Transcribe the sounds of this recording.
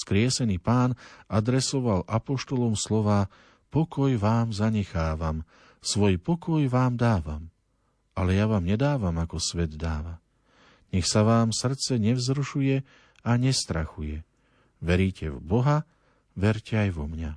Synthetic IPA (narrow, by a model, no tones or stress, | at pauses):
skɾɪɛsɛniːpaːnad̪ɾɛsɔʋalʔapɔʃt̪ɔlɔmslɔʋaː | pɔkɔjʋaːmzaɲɛxaːʋam | sʋɔjpɔkɔjʋaːmd̪aːʋam | alɛjaʋaːmɲɛd̪aːʋamakɔsʋɛd̪d̪aːʋa | ɲɛxsaʋaːmsr̩t̪t͡sɛɲɛvzɾuʃujɛ | aɲɛst̪ɾaxujɛ | ʋɛɾiːcɛ̰vbɔɦa | ʋɛɾcɛajʋɔmɲa